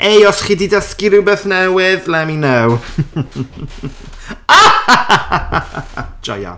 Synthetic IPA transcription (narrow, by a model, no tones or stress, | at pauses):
ejɔsχiːdidaskɪɾɪwbeθnɛwɪðlɛminɛw | a | d͡ʒɔ̰ja̰